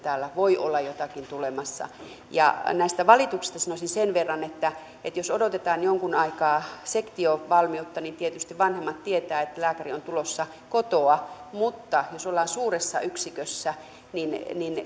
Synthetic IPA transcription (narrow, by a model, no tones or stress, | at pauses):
t̪æːlːæʋoiʔo̰lːɑjot̪ɑkint̪ulemɑsːɑ̰ | jɑ̰næist̪æʋɑlit̪uksi̥st̪ɑsɑnosinsenʋerːɑnet̪ːæ | et̪josodot̪et̪ɑːnjoŋkunɑikɑːsekt̪ioʋɑlmiut̪ːɑnint̪iet̪yst̪iʋʋɑnhemːɑt̪t̪iet̪æːet̪ːlæːkæriont̪ulosːɑ | kot̪oɑmut̪ːɑjosolːˑɑːnsuːresːɑ̰yksikøsːæ | ninnin